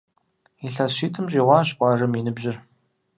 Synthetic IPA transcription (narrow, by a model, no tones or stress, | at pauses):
iɬɐsʃiːtʰɨmʑiːʁʷɑːɕqʷʼɑːrɐminɨbʑɪr